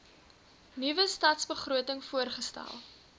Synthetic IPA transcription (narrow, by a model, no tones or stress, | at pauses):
nivəstɑːtsbəχruətəŋfuərχəstæ̰lˠ